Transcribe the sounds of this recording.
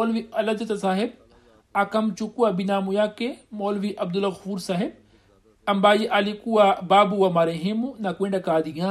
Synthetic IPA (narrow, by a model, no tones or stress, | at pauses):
oːlʋiɐlɐd͡ʒɐt̪asaːɦeb̚ | akɐmt͡ʃukuabinaːmujaːkemoːlʋiʔɐb̚d̪ulɐɣɐfuːɾsaɦeb̚ | ɐmbaːjiʔɐlikuabaːbuwɐmɐɾeɦemunɐkwẽɳɖakaːd̪ijã